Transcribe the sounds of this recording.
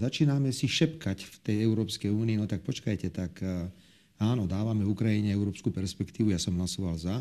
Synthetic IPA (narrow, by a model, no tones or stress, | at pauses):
zat͡ʃiːnamɛsiʃɛpkacft̪ɛjɛʊɾɔːpskɛjuːniːnɔt̪ak̚pɔt͡ʃkajcɛt̪ak | aːnɔd̪aːʋamɛukɾajiɲɛɛʊɾɔːpskuːpɛɾspɛkt̪iːʋujasɔmɦlasɔʋalza